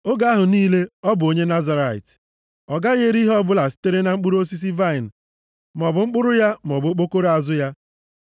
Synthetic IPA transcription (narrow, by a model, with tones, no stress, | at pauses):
o˦ɡa˦ɦʊ˨niː˦le˦ɔ˦bʊ˨o˦ɲe˦na˦za˨ɾa˨ḭ˨t | ɔ˨ɡa˦ɣe˦ɾi˦ɦɔ˦bʊ˦la˨si̥˦te˦ɾe˦na˨ŋ͡m̩˦k͡pʊ˦ɾo˦s̬i˦s̬i˦va˦˨ɪ˨n̩˨ | m˨ɔ˨bʊ˨ŋ͡m̩˦k͡pʊ˦ɾʊ˦ja˦m˨ɔ˨bʊ˨˦k͡po˦ko˦ɾa˨zʊ˦ja˦